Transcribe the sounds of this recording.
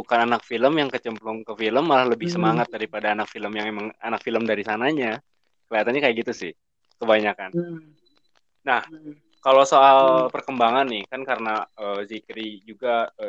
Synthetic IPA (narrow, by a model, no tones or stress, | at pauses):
bukananak̚filəmjaŋkət͡ʃəmplʊŋkəfiləmːalahləbɪhsəmaŋat̪̚daɾipadaːnak̚filəmjaŋemaŋanak̚filəmdaɾisanaɲa | kəliat̪anɲakajakɡit̪usɪh | kəbaɲakan | nah | kalosoalpərkəmbaŋanːɪhkankaɾənaəːzikɾid͡ʒuɡaə